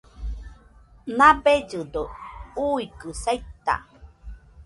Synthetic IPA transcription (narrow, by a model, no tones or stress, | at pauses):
nabed͡ʒɨd̪ouikɨsajt̪a̰